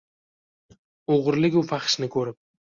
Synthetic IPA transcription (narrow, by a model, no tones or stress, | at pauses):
oʁɾlɪkʲʊfaχʃnɪkʰɵɾɪp̚